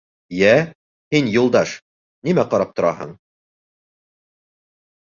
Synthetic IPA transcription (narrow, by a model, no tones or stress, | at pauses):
jæ | hinjulˠd̪ɑʃ | nimæqɒɾɑp̚t̪ŏɾɑɦɤ̰ɴ